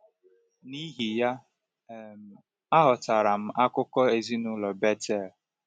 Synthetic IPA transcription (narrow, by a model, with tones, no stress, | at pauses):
ni˦ɦi˨ja˦˨ | m̩˨ | a˦ɦʊ˨ta˨ɾa˨m̩˦ʔa˦kʊ˦kɔ˦e˨zi˦nʊ˦lɔ˨be˦tɛ˦˨l